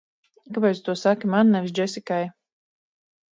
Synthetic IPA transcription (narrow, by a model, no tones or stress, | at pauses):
kapɛjt̪st̪uɔsakimanːɛvʲis̬d͡ʒɛsikaj